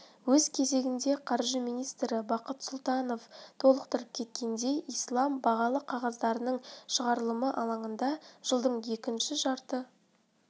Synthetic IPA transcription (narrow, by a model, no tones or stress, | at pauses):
wɵzkʲʰe̞ze̞ɡʲɪnd̪e̞qʰɑɾʒəmijnijst̪ɾɪbɑqət̪sʊlˠt̪ɑno̞ft̪ʰo̞lˠəqt̪əɾəp̚kʲʰe̞t̪̚kʲʰe̞nd̪e̞ʔijslˠɑmbɑʁɑlˠəqʰɑʁɑzd̪ɑɾənəɴʃəʁɑɾəlˠəməʔɑlˠɑɴənd̪ɑʒ̥əlˠd̪əɴje̞kʲɪnʃɪʒɑɾt̪ə